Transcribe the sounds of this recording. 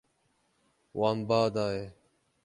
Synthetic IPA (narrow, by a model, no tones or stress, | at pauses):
waːmbaːd̪aːɦeː